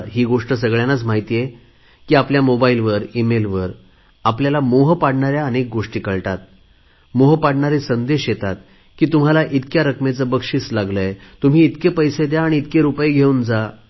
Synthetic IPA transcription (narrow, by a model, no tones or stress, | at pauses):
ɦiːɡoʂʈəs̬əɡɭjanat͡sm̤aɦit̪ije | kiːapljamobailʋəɾimelʋəɾ | apljalamoɦəpaɽɳaɾjaənek̚ɡoʂʈiːkəɭʈat̪ | moɦəpaɽɳaɾesənd̪eɕjet̪at̪̚ | kiːt̪um̤alaʔit̪kjaɾəkmet͡səbəkʂiːslaɡləet̪um̤iːt̪kepəjsed̪jaːɽ̃iːt̪keɾupəeɡʱeund͡za